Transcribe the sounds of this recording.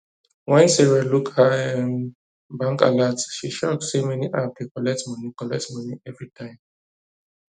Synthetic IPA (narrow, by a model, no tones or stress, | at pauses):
wɛ̃nsɛɹalukhaɛ̃n | bãŋka̰latʃiʃɔk̚semɛniʔafdekɔlɛk̚tmɔnikɔlɛk̚tmʌniɛvɹitʰãɪ̃m